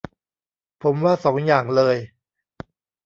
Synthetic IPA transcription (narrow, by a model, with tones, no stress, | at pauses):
pʰo˩˦mwaː˥˩sɔː˩˦ŋjaː˨˩ŋlɤː˧j